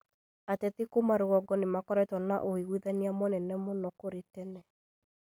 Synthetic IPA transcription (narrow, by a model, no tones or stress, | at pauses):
atɛðekomaɾoɣɔɡɔnemakɔɾɛtɔna̰ʔoiɣwiðaneamɔnɛnɛmɔnɔkoɾetɛnɛ